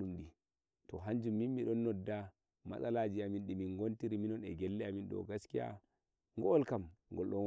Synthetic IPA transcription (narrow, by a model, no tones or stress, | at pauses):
ɗumɗi | tɔɦaɲd͡ʒumːinmiɗɔnːɔdːa | ma̰salad͡ʒiaminɗimiŋɡontiɾiminɔnɛɡɛlːɛaminɗɔ̰ɡaskija̰ | ŋɡɔːlkamŋɡɔlɗɔn